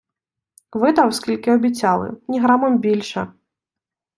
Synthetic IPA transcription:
vɨd̪ɐwskʲilʲkʲiɔbʲit͡sʲalˠɨ̰nʲiɣɾamɐmbʲilʲʂɐ

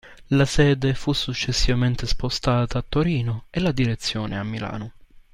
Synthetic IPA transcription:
lasɛːd̪efusːut͡ʃːesːivament̪espost̪aːt̪aːt̪ːoɾiːnoelad̪iɾet̪sːjoːnḛamːila̰ːno

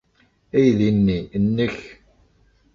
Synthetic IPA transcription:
æjðinːinːəç

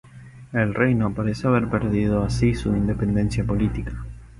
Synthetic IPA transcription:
elrejnopaɾeseaβeɾpeɾðið̞oasisuind̪epe̞nd̪e̞nsjapo̞lit̪ikḁ

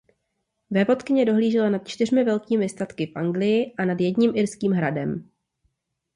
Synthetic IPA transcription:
vɛvo̞t̪kɪɲɛdo̞ɦliːʒɛlanat̪t͡ʃt̪ɪrmɪvɛlkiːmɪst̪at̪kɪfʔaŋɡlɪjɪʔanadjɛdɲimʔɪɾskiːmɦɾadɛm

